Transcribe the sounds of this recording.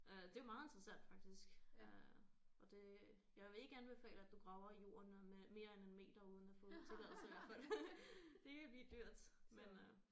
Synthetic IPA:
ʔød̥e̝jo̝mɑ̈ːð̩ˠe̝nd̥ʁɐsæn̰d̥fɑ̈ɡ̥̚d̥isɡ̥øɒ̽d̥e̝ | jɑ̈ɪʋe̝e̝ɡ̥əɡ̥æːnb̥e̝fɛ̰ːləæd̥uɡ̥ʁɑ̈ʊɐijo̝̰ːɐnmeme̝ːɐenenme̝̰ːd̥ɐuːð̞ˠn̩æfɔ̽ːð̩ˠt͡sʰe̝lɛ̰ðˠʋæɐfæl | d̥e̝kʰeb̥lḭːd̥yɐ̰d̥menø

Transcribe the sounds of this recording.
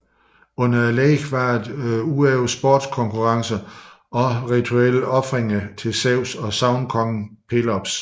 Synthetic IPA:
ɔ̽nɐæleːɡ̥ʋɑ̈ed̥ueʊsb̥o̰ːd̥skʰɒ̽ŋkʰuʁɑ̈ŋsɐ | ɒ̽ʁit͡sʰuel̰əʔɒ̽fʁeŋɐt͡sʰe̝lsɛʊsɒ̽sɑ̈ʊnkʰɒ̽ŋpʰe̝lɒb̥s

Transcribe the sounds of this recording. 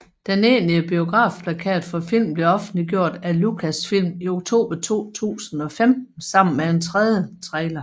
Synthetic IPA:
d̥ene̝ːniəb̥io̝ɡ̥ʁɑ̰̈ːfpʰlækʰɛ̰ːd̥fɒ̽fil̰mb̥le̝ɒ̽fn̩d̥liɡ̥jo̝ɐ̰d̥ælukʰæsfil̰mioɡ̥̚t͡sʰo̝̰ːb̥ɐt͡sʰo̝̰ːt͡sʰṵːsn̩ɒ̽femn̩sɑ̈m̰n̩medent͡sʰʁɛðˠjət͡sʰʁɛːlɐ

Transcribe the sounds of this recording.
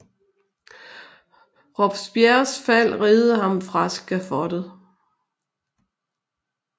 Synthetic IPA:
ʁɒb̥sb̥jæɐsfæl̰ʁeːð̩ˠəɦɑ̈mfʁɑ̈sɡ̥æfɒd̥əð̩ˠ

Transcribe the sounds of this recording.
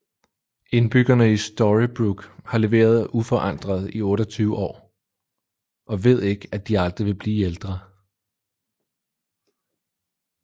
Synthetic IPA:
e̝nb̥yɡ̥ɐnəisd̥ɒʁib̥ʁuɡ̥hɑ̈le̝ʋe̝̰ːɐð̞ˠufɒ̽ʔɑ̈n̰d̥ʁɐð̞ˠiɔ̽ːɾɒt͡sʰyːʊəʔɒ̰ː | ʔɒ̽ʋe̝ð̞ˠe̝ɡ̥æd̥iɑ̈ld̥ʁiʋe̝b̥liːeld̥ʁɐ

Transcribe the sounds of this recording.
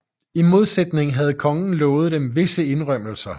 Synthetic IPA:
imo̝ð̞ˠsed̥ne̝ŋ̩ɦæð̞̩ˠkʰɒ̽ŋn̩lɔ̽ːð̩ˠd̥emʋe̝səe̝nʁɶm̰l̩sɐ

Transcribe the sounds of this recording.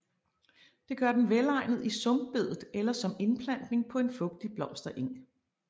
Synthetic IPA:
d̥e̝ɡ̥ɶɐd̥enʋelɑ̈ɪ̰nð̞̩ˠisɔ̽mb̥̚b̥e̝ð̞̰ˠð̩ˠelɐsɒ̽me̝npʰlæn̰d̥ne̝ŋpʰɒ̽e̝nfɔ̽ɡ̥̚d̥ib̥lɒ̽m̰sd̥ɐʔe̝ŋ̰

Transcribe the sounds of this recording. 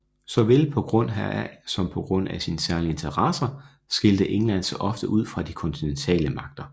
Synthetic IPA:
sɒ̽ʋe̝lpʰɒ̽ɡ̥ʁɔ̽n̰ɦææsɒ̽mpʰɒ̽ɡ̥ʁɔ̽n̰æsinəsæɐlie̝nt͡sʰɐʁɑsɐ | sɡ̥e̝ld̥əʔe̝ŋlæn̰sɒʔɒ̽fd̥əʔuð̞̰ˠfʁɑ̈d̥ikʰɒ̽nt͡sʰinent͡sʰɛ̰ːləmɑ̈ɡ̥̚d̥ɐ

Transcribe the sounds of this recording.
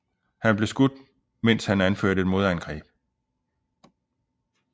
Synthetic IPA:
hænb̥le̝sɡ̥ud̥ | men̰shænænføɐ̰ɾəe̝d̥mo̝ðˠænɡ̥ʁɛ̰ːb̥̚

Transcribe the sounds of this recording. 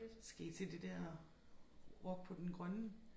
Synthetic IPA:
sɡ̥æit͡sʰe̝d̥e̝d̥ɛɐ̰ | ʁɒɡ̥̚pʰɒ̽d̥enɡ̥ʁɶnə

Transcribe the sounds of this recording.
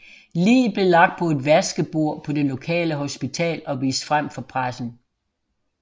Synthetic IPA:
lḭːb̥le̝lɑ̈ɡ̥̚d̥̚pʰɒ̽e̝d̥ʋæsɡ̥əb̥o̝ɐ̰pʰɒ̽d̥elo̝kʰɛ̰ːləɦo̝sb̥it͡sʰɛ̰ːlɒ̽ʋḭːsd̥fʁam̰fɒ̽pʰʁasn̩

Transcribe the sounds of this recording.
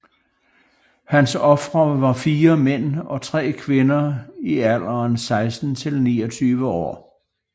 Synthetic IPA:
hænsɒ̽fʁɐʋɑ̈fiːɐmen̰ɒ̽t͡sʰʁɛ̰ːkʰʋe̝nɐiæl̰ɐːnsɑ̈ɪsd̥n̩t͡sʰe̝lnḭːɒt͡sʰyːʋəɒ̰ː

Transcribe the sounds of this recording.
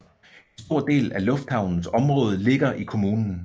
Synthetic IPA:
ensd̥o̝ɐ̰d̥e̝̰ːlælɔ̽fd̥hɑ̈ʊnn̩sɒ̽mʁɔ̽ːð̞ˠle̝ɡ̥ɐʔikʰo̝muːnn̩

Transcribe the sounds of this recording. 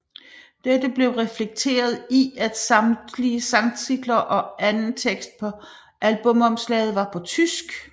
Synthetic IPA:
d̥ed̥əb̥le̝ʊʁɛfleɡ̥̚t͡sʰe̝̰ːɐð̞ˠiæd̥sɑ̈md̥liəsɑ̈ŋsiɡ̥lɐʔɒ̽ʔænn̩t͡sʰeɡ̥sd̥̚pʰɒ̽ | ʔælb̥ɔ̽mɒ̽mslɛ̰ɪð̞̩ˠʋɑ̈pʰɒ̽t͡sʰysɡ̥

